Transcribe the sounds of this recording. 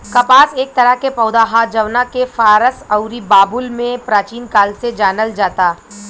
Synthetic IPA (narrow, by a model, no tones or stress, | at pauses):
kɐpaːseːk̚t̪ɐɾəɦkepɐʊd̪aːɦad͡ʒɐʋnakefaːɾəsɐʊɾibaːbʊlmẽpɾaːt͡ʃiːnkaːlsed͡ʒaːnəld͡ʒaːt̪aː